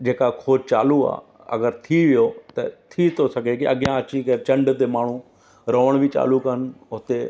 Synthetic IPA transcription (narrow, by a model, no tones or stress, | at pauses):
d͡ʒeːkakʰoːd͡ʒt͡ʃa̰ːlua̰ː | ɐ̰ɡəɾt̪ʰiʋɪjot̪ɐ̰t̪ʰit̪ʰosɐɡʱekiɐɡɪjãɐt͡ʃĩkɐt͡ʃɐ̃ɳɖt̪emaːɳ̤ũ | ɾoːʋəɽ̃bʱit͡ʃa̰ːlukənʊt̪e